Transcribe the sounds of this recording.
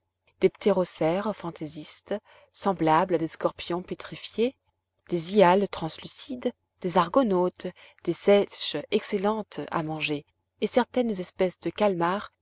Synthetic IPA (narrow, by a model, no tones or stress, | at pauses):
d̪̥ept̪ʰeʁɔsɛʁfɑ̃t̪ezist̪ | sɑ̃blablad̪eskɔʁpjɔ̃pet̪χifje | d̪̥ezialt̪χɑ̃slysid̪ | d̪̥ezaʁɡɔnot̪ | d̪̥esɛʃɛkselɑ̃t̪a̰mɑ̃ʒeː | sɛʁt̪ɛnzɛspɛsd̪əkalmaʁ